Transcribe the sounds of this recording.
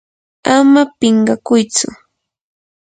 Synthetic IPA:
amapɪɴɢɑkʊjt͡sʊ̰

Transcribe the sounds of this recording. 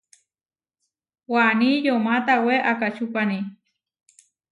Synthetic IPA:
wanijomat̪aweʔakat͡ʃupani

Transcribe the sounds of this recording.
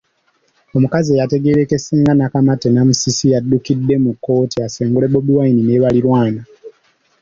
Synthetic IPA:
o̞mukaziejate̞ɡe̞ɾekesiːŋɡanakamatenamusisijadːukidːe̞mukːo̞ːtiaseːŋɡule̞boduwainineβaliɾwaːna

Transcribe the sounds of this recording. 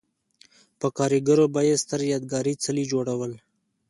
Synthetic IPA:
pəkɑːɾiɡəɾobajest̪əɾjɑd̪̚ɡɑːɾit͡səlid͡ʒoɽawəl

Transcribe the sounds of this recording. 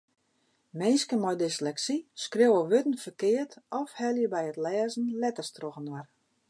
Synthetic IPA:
meːskəmɔjdɪslɛksiskrewəʋøtən̩fərkɪːətʰɔfhɛlˠjəbɛjətlɛːzən̩lɛtərstroɣənwar

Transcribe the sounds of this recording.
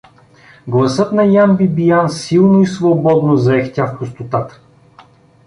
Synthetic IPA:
ɡlˠɐsɤt̪nɐjambibijansilˠnoisvobɔd̪nozɐɛxt̪ʲafpost̪ot̪at̪ə̥

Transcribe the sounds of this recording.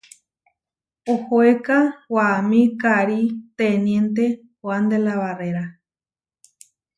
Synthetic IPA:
ohoekawamĩkaɾit̪enjent̪e | oand̪elaβareɾa

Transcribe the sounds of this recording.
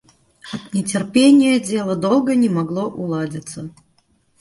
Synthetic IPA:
ɐt̪nʲɪtʲɪrpʲenʲɪjəd͡zʲelˠəd̪olˠɡənʲɪmɐɡlˠoʔʊlˠadʲɪt̪sə

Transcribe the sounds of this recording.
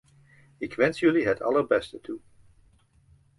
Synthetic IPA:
ɪkʋɛnsjɵliɦətʰɑ̰ləɹbɛstətʰu

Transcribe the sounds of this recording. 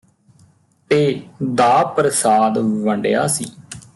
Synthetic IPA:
t̪eːd̪aːpɾəsaːd̪ʋəɳɖeja̰ːsḭː

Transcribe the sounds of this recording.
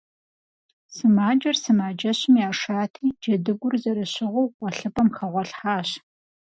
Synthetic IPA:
sɨmaːd͡ʒɐrsɨmaːd͡ʒɐɕɪmjaːʂaːtʰiːd͡ʒɐdɨɡʷʊrzɐɾɨɕɪʁʷowʁʷɔɬɨpʼɐmxɐʁʷɔɬħaːɕ

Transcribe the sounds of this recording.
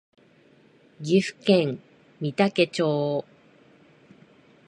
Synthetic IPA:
ɡʲiɸɯ̟̥kẽŋ | mʲit̪ake̞t͡ɕoː

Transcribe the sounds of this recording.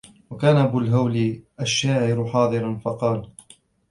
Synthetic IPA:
wakaːnaʔabʊlɦawliʔaʃːaːʕɪɾʊħɑːd̪ˤɨɾɑnfɑqɑːl

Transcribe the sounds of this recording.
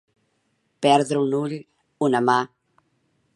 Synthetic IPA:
pɛɾðɾəunuʎ | unama

